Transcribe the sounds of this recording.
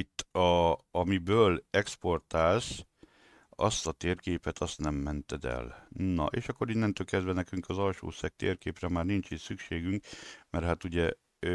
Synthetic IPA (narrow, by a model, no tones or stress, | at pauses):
it̪ːɒɒmibøːlɛkspo̞rt̪aːls | ɒ̰st̪ɒt̪eːrkeːpɛt̪ʰɒst̪nɛmːɛnt̪ɛd̪ɛ̰lnɒ̰ʔeːʃɒkːo̞ɾinːɛnt̪øːlkɛzd̪vɛnɛkyŋkɒzɒlʃo̰ːsɛk̚t̪ḛːrkeːprɛmaːrnint͡ʃit̪sykʃeːɡyŋkmɛrɦaːt̪uɟɛ